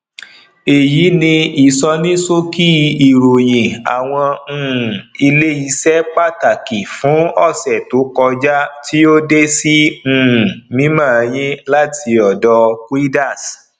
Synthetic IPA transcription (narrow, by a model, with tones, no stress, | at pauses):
e˨ji˨˦nĩ˧i˨sɔ˧nĩ˦so˦ki˦˧i˨ɾo˨jĩ˨a̰˨w̃ɔ̃˧˨i˧le˦i˧sɛ˦k͡pa˦˨ta˨ki˨fũ˨˦ɔ˦˨sɛ˨to˨˦kɔ˧d͡ʒa˦tʰi˦o˦de˦sĩ˦˨ | mĩ˦mãː˦˨˧j̃ĩ˦la˦tʰi˧ɔ˨dɔ˧kwi˦da˦˨s